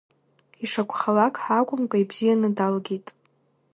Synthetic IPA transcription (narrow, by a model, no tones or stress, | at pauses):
iʂakʷʰʼχalakʼħakʷʼʊmkʷʼaibz̥ijanɨdalɡʲitʼ